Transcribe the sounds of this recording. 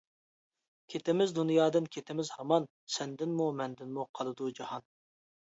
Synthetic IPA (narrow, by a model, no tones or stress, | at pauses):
kʲʰet̪ɪmɪzd̪unjɑːd̪ɨnkʲʰet̪ʰɪmɪzhɑmɑn | sɛnd̪ɪnmumɛnd̪ɪnmuqʰɑlˠɨd̪ud͡ʒɑhɑn